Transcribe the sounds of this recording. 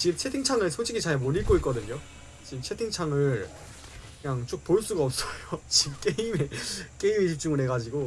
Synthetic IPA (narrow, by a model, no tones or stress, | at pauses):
t͡ɕim̚t͡ɕʰetʰiŋt͡ɕʰaŋesʰod͡ʑʰiɡit͡ɕaɦemoɲiɭ̚k͈oit̚k͈ʌdɯɲo | t͡ɕimt͡ɕʰe̞tʰiŋt͡ɕʰaŋɯɭ | kɯɲaŋt͡ɕ͈ok̚poɭs͈uɡaʌp̚s͈ʌjot͡ɕip̚k͈e̞imek͈e̞imiɕ̬ʰik̚t͡ɕ͈uŋɯɭnɦe̞ɡad͡ʑiɡo